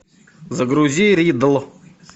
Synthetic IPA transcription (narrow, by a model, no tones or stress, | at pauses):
zɐɡɾuzʲiɾid̪əlˠ